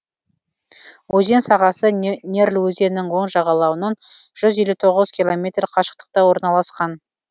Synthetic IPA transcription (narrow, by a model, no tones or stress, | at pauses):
wɵze̞nsɑʁɑsənʲe̞ɾlwɵze̞nːɪŋwo̞ɴʒɑʁɑlˠɑwənɑnʒ̥ʏzje̞lut̪ʰo̞ʁəz̥kʲilˠo̞mʲe̞t̪rqʰɑʃə̥q̚t̪ə̥q̚t̪ɑwo̞ɾnɑlˠɑsqɑn